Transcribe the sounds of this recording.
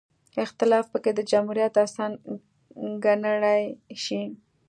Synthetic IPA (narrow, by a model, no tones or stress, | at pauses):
ɪxt̪ɪlɑfpəked̪əd͡ʒamhuɾjat̪asɑn | ɡanəɽajʃi